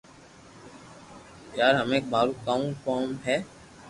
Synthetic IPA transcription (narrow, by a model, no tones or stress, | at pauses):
kjaːɾɦəmẽːk̚baːɾũkaːũkɔːmɦɛː